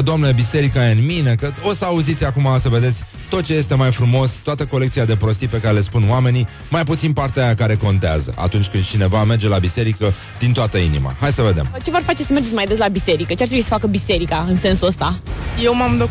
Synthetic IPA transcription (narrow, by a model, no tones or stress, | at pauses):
d̪oamneebise̞ɾikajeɨnmine̞kəo̞səauzit̪sʲakumasəve̞d̪e̞t̪sʲ | t̪o̞t̪̚t͡ʃe̞je̞st̪e̞majfɾumo̞st̪oat̪əko̞le̞k̚t̪siad̪e̞pɾo̞st̪ipe̞kaɾele̞spunwame̞ni | majput̪sinpart̪eajakaɾe̞ko̞nt̪ea̰zə̰ʔa̰t̪unt͡ʃʲkɨnd̪̚t͡ʃine̞vame̞rd͡ʒe̞labise̞ɾikə | d̪̥int̪oat̪əḭnḭma̰haj̪səve̞d̪e̞̰mt͡ʃe̞voarfat͡ʃesəme̞rd͡ʒemajd̪e̞s̬labise̞ɾikət͡ʃeart̪ɾebuisə̥fakəbise̞ɾikaɨnse̞nsuəst̪ajewmamd̪o